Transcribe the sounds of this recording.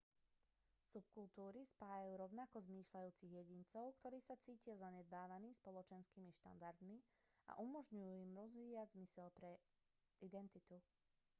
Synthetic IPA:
sup̚kult̪uːɾispaːjajuːɾɔʊnakɔzmiːʃlajuːt͡siɣjɛɟint͡sɔʊkt̪ɔɾiːsat͡siːcɪazaɲɛd̪̚baːʋaniːspɔlɔt͡ʃɛnskiːmiʃt̪a̰nd̪aɾd̪mi | a̰ʔumɔʒɲujuːimɾɔzʋiːaɟzmisɛlpɾɛ | ʔid̪ɛnt̪it̪u

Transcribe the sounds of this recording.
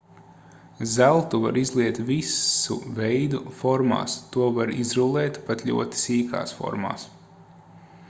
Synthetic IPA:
zælˠt̪uva̰ɾizlˠiɛt̪vʲisṵvɛjd̪ufɔɾma̰ːst̪uɔvaɾizɾulˠɛːt̪pat̪lʲṵɔt̪i̥siːka̰ːsfɔ̰ɾma̰ːs

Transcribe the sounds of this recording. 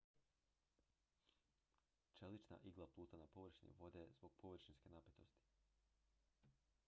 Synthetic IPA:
t͡ʃelit͡ʃna̰ʔiɡlˠaplˠuːt̪anapo̞ʋr̩ʃinḭʋo̞d̪ezbo̞ɡ̥̚po̞ʋr̩ʃinske̞napet̪o̞st̪i̥

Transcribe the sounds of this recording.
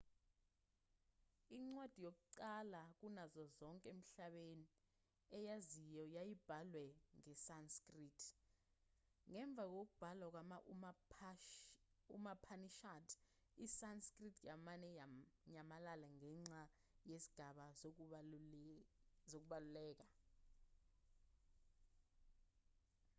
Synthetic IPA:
iŋ͡ǀwad̥ʱijok̬ʼuǀalak̬unazɔzɔŋkʼem̩ɬaɓeni | ɛjazijɔjajib̥ʱalwɛŋɛsanskʼritʰ | ŋɛɱb̪vʱak̬ok̬ub̥ʱalwak̬wamaʔ | ṵmapʰaniʃatʰ | isanskritʰjamanɛjaɲamalalaŋɛŋ͡ǀa | jesi̥ɡ̥ʱaɓa | zok̬uɓalulɛːk̬a

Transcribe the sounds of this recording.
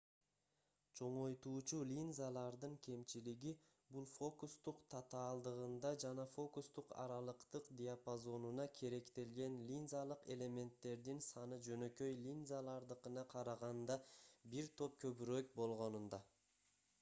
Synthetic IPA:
t͡ʃʰo̞ɴo̞jt̪uːt͡ʃulʲinzalˠɑɾd̪ɯŋkʲʰe̞mt͡ʃiliɡi | bulˠfo̞kust̪uqt̪ʰɑt̪ɑːlˠd̪ɯʁɯnd̪ɑd͡ʒɑnɑfo̞kust̪uqɑ̰ɾɑlˠɯqt̪ɯqd̪ʲiapazo̞nunɑkʲʰe̞ɾe̞kt̪e̞lɡe̞nlʲinzalˠɯqe̞lʲe̞mʲe̞nt̪ːe̞ɾd̪insɑnɯd͡ʒø̞nø̞kø̞jlʲinzalˠɑɾd̪ɯqɯnɑqʰɑɾɑʁɑnd̪ɑbiɾt̪ʰo̞p̚kʰøβyɾøk̚bo̞lˠʁo̞nund̪ɑ

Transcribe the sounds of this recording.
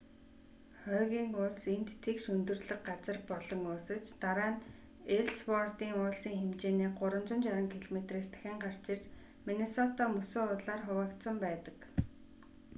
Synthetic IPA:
χœːɣʲiːŋʊɮsent̪ːʰekʃɵnt̪ɵ̆rɮə̆kɢat͡sə̆rpɔɮɞ̆ŋʊːsə̆t͡ɕt̪aɾaːn | eɮspɔrt̪iːŋʊːɮsiːŋxemt͡ɕeːniːɢʊɾə̆nt͡sə̆nt͡ɕaɾə̆ŋkʰiɮɔmet̪reːst̪ʰæ̥xʲɪ̆ɴɢar̥t͡ɕɪrt͡ɕ | menesɔt̪ɔmɵsoːʊɮaːrχʊwaːkt̪sə̆mpæːt̪ə̆k

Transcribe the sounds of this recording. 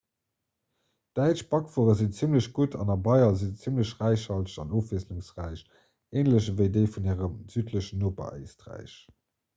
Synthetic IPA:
d̥æɪt͡ʃbɑkfuːʁəzint͡simləɕɡutʰɑ̰nɑbɑɪɐzint͡simləɕʁæɪʃhɑlʃɑ̰noːfvisluŋsʁæɪʃ | eːnləɕvəɪdəɪfuniːʁəmz̥yːtʰləɕənoːpɐ̰ʔḛɪstʁæ̰ɪɕ

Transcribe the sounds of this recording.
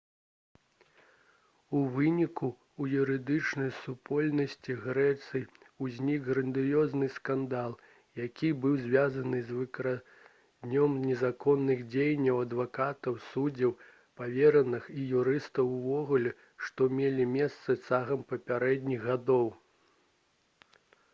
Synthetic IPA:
uvɨnʲikuː | juɾɨd̪ɨt͡ʂnɐjsupʰɔlʲnɐsʲt͡sʲiɣɾɛt̪sɨj | uzʲnʲiɡɣɾɐnd̪ɨjɔznɨskand̪alˠ | jakʲʰibɨwzʲvʲazɐnɨzʲvɨkɐɾa | d̪nʲɔmnʲɛzakɔnːɨɣd͡zʲejnʲːɐwɐd̪vakat̪ɐwsud͡zʲɐw | pavʲeɾɐnɨxijuɾɨst̪ɐwuvɔɣulʲɛ | ʂt̪ɔmʲelʲimʲɛst̪sɐt͡saɣɐmpɐpʲaɾɛd̪ʲnʲiɣɣad̪ɔw

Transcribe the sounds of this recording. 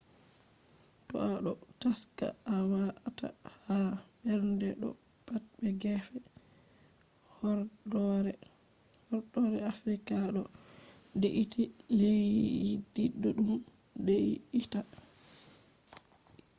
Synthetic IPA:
tɔ̰ʔaɗɔ | taska̰awata̰habɛɾndɛɗɔ̰ | pat̚bɛɡɛfɛ | hɔɔɾɛ | hɔɾɗɔɾɛafɾikaɗɔ | deʔiti | lejidiɗːɔɗum | deiita

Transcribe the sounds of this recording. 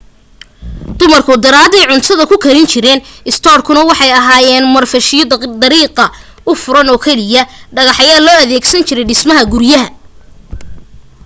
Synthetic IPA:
d̪̥ʊmɐrkʰʊd̪ɐɾaːd̪ɛjʕʊnt̪ʰɐðɐkʰʊkʰɐɾɪnt͡ʃʰɪɾɛːnɪst̪ʰɔːrkʰʊnɐwɑħɑjɐɦaːjɛːnmɐrfɐʃɪjd̪ɐɾiːqɐ | ʊfʊɾɐnɔːkʰɛlɪjɐɖɐɣɑħjaːlɔːɐðɛːɡsɐnt͡ʃʰɪɾɛjɖɪsmɐɦɐɡʊɾjɐɦɐ

